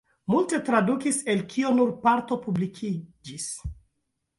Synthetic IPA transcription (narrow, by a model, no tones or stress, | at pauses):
multe̞tɾadukise̞lkʰio̞nuɾpaɾto̞publikʰid͡ʒis